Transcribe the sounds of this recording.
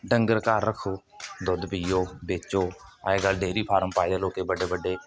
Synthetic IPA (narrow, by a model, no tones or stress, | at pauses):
ɖəŋɡəɾkaːɾːəkʰːoː | d̪ʊd̪pijoːbeːt͡ʃoːa̰ːeːɡəlɖeːɾiːpʰaːɾəmpaːɪd̪eːloːkeːbəɖeːbəɖːeː